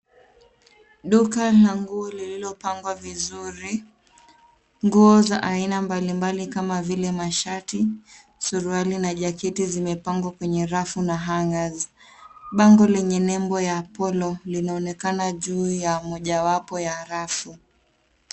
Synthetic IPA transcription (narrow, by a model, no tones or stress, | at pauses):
ɗukanaŋɡuɔlililɔpaŋɡwavizuɾi | ŋɡuɔzaʔainambalimbalikamavilɛmaʃati | suɾualinaʄakitizimɛpaŋɡwakwɛɲɛɾafunaɦaŋaz | ɓaŋɡɔlɛɲɛnɛmbɔjaːpɔlɔlinaɔnɛkanaʄuːjamɔʄawapɔjaɾafu